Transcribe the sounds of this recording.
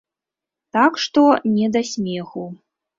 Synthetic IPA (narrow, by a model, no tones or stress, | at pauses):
t̪akʂt̪ɔnʲɛd̪asʲmʲɛxu